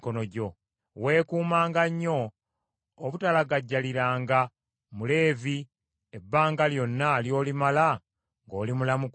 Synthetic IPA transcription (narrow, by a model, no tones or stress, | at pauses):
konoɟo̞ | we̞ːkuːmaːŋɡaɲːo̞ː | βutalaɡaɟːaliɾaːŋɡa | mule̞ːvi | ebːaːŋɡaljo̞nːaljo̞ːlimala | ŋɡoːlimulamu